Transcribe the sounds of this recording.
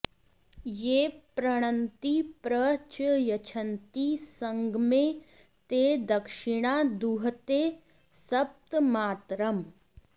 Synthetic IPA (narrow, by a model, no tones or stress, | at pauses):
jeːpɾəɽ̃ənt̪ipɾət͡ʃjɐt͡ʃʰənt̪isə̃ŋɡmẽ | t̪eːd̪ɐkʃɪɽ̃ad̪uɦt̪e | sɐp̚t̪maːt̪ɾəm